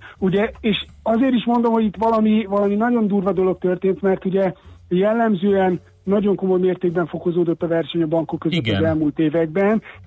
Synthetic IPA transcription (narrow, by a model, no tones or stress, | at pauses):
uɟɛeːʃ | ɒzeːɾiʃmo̞nd̪o̞mho̞ɟit̪ːʋɒlɒmivɒlɒminɒɟo̞nd̪uːrvɒd̪o̞lo̞k̚t̪ørt̪eːnt̪mɛrt̪uɟɛjɛlːɛmzøːɛnː | ɒɟo̞ŋko̞mo̞jmeːrt̪eːɡ̚bɛɱfo̞ko̞zoːd̪ot̪ːɒvɛrʃɛɲɒbɒŋkokːø̞zøt̪ːɒzɛlmuːlt̪eːvɛɡ̚bɛn